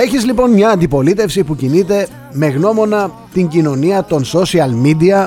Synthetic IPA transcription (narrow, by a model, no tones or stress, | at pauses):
e̞çizlipo̞nmɲɐːnd̪ipo̞lit̪e̞fsipucinit̪e̞ | me̞ɣno̞mo̞nɐ | t̪iɲɟino̞niɐt̪o̞nso̞siɐlmid̪iɐ